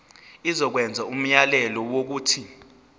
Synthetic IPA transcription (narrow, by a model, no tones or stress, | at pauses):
izɔk̬wɛnd͡zʱaum̩jalɛlɔwok̬uːtʰi